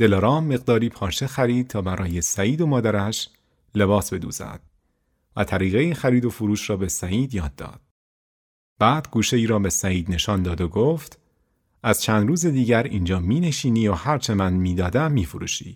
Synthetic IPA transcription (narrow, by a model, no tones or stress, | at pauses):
d̪̥e̞lɒɾɒːmːe̞ɣd̪ɒːɾiːpʰɒːʃexæɾiːd̪̥̚t̪ʰɒːbæɾʔɒːje̞sæiːd̪o̞mɒːd̪æɾæʃ | le̞bɒːsbe̞d̪ṵːzæ̰d̪̥ | væ̰t̪ʰæɾiːɣejixæɾiːd̪o̞fuɾuːʃɾɒːbe̞sæiːd̪jɒːd̪ːɒ̰ːd̪̥ | b̥æːd̪̥ɡuːʃe̞iːɾɒːbe̞sæiːd̪ne̞ʃɒːnd̪ɒːd̪oɡoːft̪ | ʔæz̥t͡ʃʰæːnd̪ruːzed̪iːɟæɾḭːnd͡ʒɒːmiːne̞ʃiːniːohæɾt͡ʃʰe̞mænmiːd̪ɒːd̪æmːiːfoɾṵːʃḭː